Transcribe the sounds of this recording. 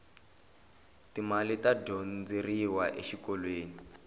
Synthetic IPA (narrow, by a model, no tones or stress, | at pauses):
timalitadɔnd͡zeriwaʔeʃikɔlweːni